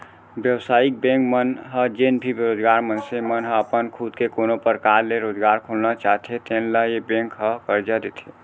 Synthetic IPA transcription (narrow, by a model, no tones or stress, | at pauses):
bjəwsaːik̚bẽŋkmənɦəd͡ʒenbʱibeɾoːd͡ʒɡaɾmənsemənɦəəpənkʰud̪kekonopəɾkaɾleɾod͡ʒɡaɾkʰulnat͡ʃaɦt̪ʰet̪enləjebẽŋkɦəkəɾd͡ʒad̪et̪ʰe